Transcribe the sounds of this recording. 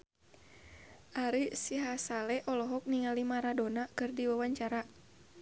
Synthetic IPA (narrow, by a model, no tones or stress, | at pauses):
ʔaɾisiɦasalɛʔɔlɔɦɔk̚niŋalimaɾadonakɨrdiwawaɲt͡ʃaɾa